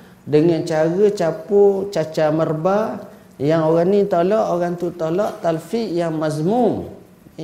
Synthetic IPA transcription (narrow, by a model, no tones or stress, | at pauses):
dəŋant͡ʃaɣət͡ʃaput͡ʃat͡ʃamərba | jaŋoɣanĩt̪olɔʔoɣaŋt̪ut̪olɔʔt̪alfiʔjaŋmazmum